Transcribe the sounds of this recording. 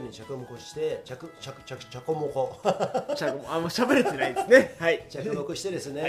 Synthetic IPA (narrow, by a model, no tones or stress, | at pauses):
ɲʲit͡ɕakɯmokoɕi̥t̪e̞t͡ɕakɯt͡ɕakt͡ɕat͡ɕakomokot͡ɕakomoamoɕabeɾet̪enaid̪sɨnehait͡ɕakɯmokɯ̟ɕi̥t̪e̞d̪esɨne